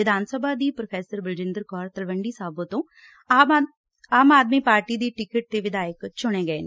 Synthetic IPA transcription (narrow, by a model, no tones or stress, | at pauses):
ɪd̪ʱaːnsəbʱaːd̪iːpɾopʰɛːsəɾbəld͡ʒɪ̃nd̪əɾkɔːɾt̪əlʋəɳɖiːsaːbõːt̪õː | aːmaːd̪miːpaːɾʈiːd̪iːʈɪkɪʈ̚t̪eːʋɪd̪aːjəkt͡ʃʊɽ̃eːɡəeːn